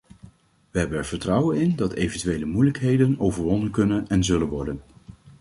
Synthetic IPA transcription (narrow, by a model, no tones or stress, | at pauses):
ʋəɦɛbənɛɹv̥əɹtrɑwənɪndɑtejvəntyʋejləmujləkɦejdənowvəɹʋɔndənkɵnənɛnzɵlənʋɔɹdən